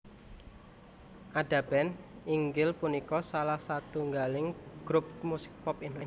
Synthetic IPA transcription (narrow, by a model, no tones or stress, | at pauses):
ʔaɖa̤bɛniŋɡɪlpunikɔsalahsat̪uŋɡalɪŋɡ̥ɾup̚musɪ̥k̚pɔpinlɪ